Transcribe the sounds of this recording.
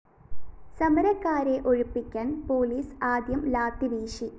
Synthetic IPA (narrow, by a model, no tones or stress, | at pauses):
sɐmɐɾɐkːaːɾeʔo̞ɻupːikʲːaːnpo̞ːliːsaːd̪jɐmlaːt̪ːiʋiːʂi